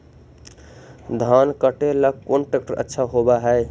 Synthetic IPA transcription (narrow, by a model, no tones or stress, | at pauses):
d̪ʱankəʈeləɡ̚konʈɾek̚ʈəɾʔə̰tːʃʰaɦobaɦəj